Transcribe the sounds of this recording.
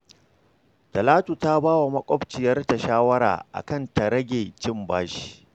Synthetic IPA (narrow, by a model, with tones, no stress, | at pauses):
tɐ˨laː˦tu˨ta˦baː˦wa˨mɐ˦kʷʼɔ˦bt͡ʃɪ˨jɐ˦rta˨ʃaː˦wɐ˦ɾa̰ː˨ʔa̰˨kɐ˦˨nta˨ɾɐ˦ɡʲeː˨t͡ʃɪ˦mbaː˦ʃi̥˦